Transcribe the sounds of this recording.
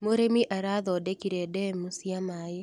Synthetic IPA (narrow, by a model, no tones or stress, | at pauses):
moɾemiʔaɾaðɔdekiɾedɛmusiamaːje